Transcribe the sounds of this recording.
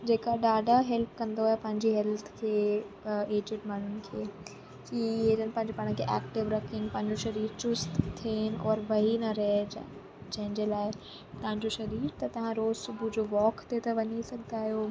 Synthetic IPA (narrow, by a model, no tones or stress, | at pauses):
d͡ʑeːkaɗaːɖʱaɦɛlpkɐ̃nd̪oaːɦepɐ̃ɦɪ̃ɲd͡ʑiɦɛlt̪ʰkʰeː | eːd͡ʑɪʈmaːɳ̤ʊnɪ̆kʰeː | kieːɾənɪ̆pɐ̃ɦɪ̃ɲd͡ʑopaːɽ̃ə̃kʰeʔɛːkʈɪʋɾɐkʰɪ̃ŋɡpɐ̃ɦɪ̃ɲd͡ʑoʃɐɾiːɾt͡ɕʊst̪t̪ʰen̆ʔɔːɾʋɐɦinɐɾɐɦe | d͡ʑɐ̃ɦɪ̃ɲd͡ʑelaːɪ | t̪ɐʋɦãɲd͡ʑoʃɐɾiːɾt̪ɐt̪ɐʋ̤ãɾoːzsʊbʱud͡ʑoːʋɔːkʰt̪et̪ɐʋɐɲisɐɡʱt̪aːɦijo